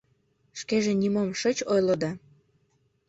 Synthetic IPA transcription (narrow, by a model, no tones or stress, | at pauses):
ʃkeʒenimomʃət͡ɕojlod̪ɑ